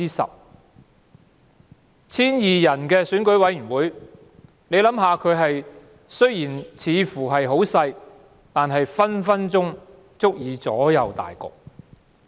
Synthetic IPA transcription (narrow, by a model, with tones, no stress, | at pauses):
iː˥sɐ̰˨p̚ | t͡sʰiː˥njiː˨˩jɐ˨˩nkɛː˧syː˨˥nkɵ˨˥ɥwɐ˨˥jyː˨˩nwuː˨˥j | ne˨˧jlɐ˨˥mɦaː˨˧kʰɵ˨˧ɥɦɐ˨j | sɵ˥ɥjiː˨˩nt͡sʰiː˨˧fuː˨˩ɦɐ˨jɦo˨˥wsɐ˧j | t̪aː˨nɦɐ˨jfɐ˥nfɐ˥nt͡sʊ˥ŋ | t͡sʊ˥k̚jiː˨˧t͡sɔ̰ː˨˥jɐ˨˧wt̪a̰ː˨jkɔ̰ː˧k̚